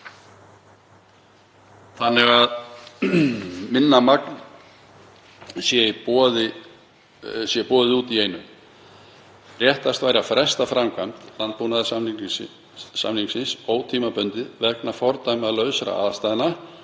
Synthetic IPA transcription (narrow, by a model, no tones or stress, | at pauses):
θanːɪɣað | mɪnːamakn | sjɛðɪ | sjɛpɔːðɪuːt̪ieːjnʏm | rjɛht̪ast̪vaːjɾafɾɛst̪afɾamkʰamt̪lant̪̚punað | sa̰mniŋksɪnsoːwt̪ʰiːmapœnt̪ɪðvɛknafɔɾt̪ajmaðlœːɥsɾa̰a̰ðst̪ajðɪna